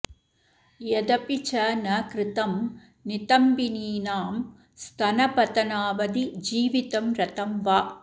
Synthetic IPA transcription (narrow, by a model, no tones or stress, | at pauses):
jɛd̪ɐpit͡ʃɐnɐkɾɪt̪ɐm | nɪt̪ɐmbiniːnaːm | st̪ʰɐnɐpɐt̪ɐnaːʋɐd̪id͡ʒiːʋit̪ɐmɾɐt̪ɐmʋaː